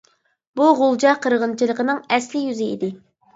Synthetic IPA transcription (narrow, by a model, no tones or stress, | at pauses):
buʁolˠd͡ʒɑqʰəɾʁənt͡ʃʰilˠəqənɨŋɛslɪjyzɪḭd̪ɪ